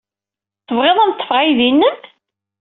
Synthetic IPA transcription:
θəvʁeðˤæmt̪ˤːə̥fʁajðinːəm

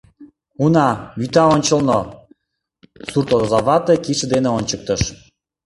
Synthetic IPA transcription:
unɑβyt̪ɑonʲt͡ɕə̆lno | surt̪od̪ozɑβɑt̪ekiʃə̆d̪eneonʲt͡ɕək̚t̪əʃ

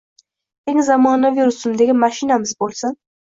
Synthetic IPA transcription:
e̞ŋzamɒnaviɾʊsʊmd̪eɡʲɪmaʃɪnamɪzbolˠsan

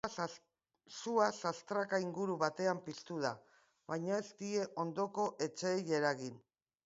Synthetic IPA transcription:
suasast̪ɾakaiŋɡuɾuβat̪e̞ampist̪uð̞a | βajɲae̞st̪ie̞ʔo̞nd̪o̞ko̞ʔe̞t͡ʃe̞ːjeɾaɣin

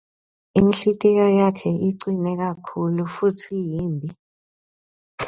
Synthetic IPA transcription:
inɬitʼɛjɔjakʰɛʔiǀinɛɣ̬akʰulufutʰijiːmbʱi

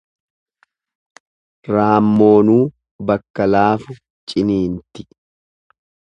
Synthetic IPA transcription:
ɾaːmːo̞ːnuː | bɐkːɐlaːfʊ | t͡ʃʼɪniːnt̪ɪ

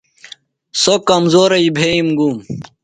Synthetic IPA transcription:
sokɐmzoːɾɐibʱeːimɡuːm

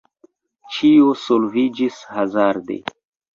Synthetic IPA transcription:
t͡ʃiosolvid͡ʒishazaɾd̪ḛ

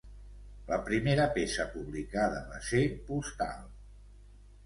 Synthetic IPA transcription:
ləpɾimeɾəpesəpuβlikaðəβasepust̪a̰lˠ

